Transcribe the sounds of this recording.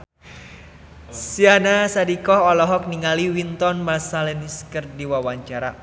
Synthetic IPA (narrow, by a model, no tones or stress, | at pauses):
sianasadikɔɦɔlɔɦɔk̚niŋaliwint̪ɔnmasalɛniskərdiwawaɲt͡ʃaɾa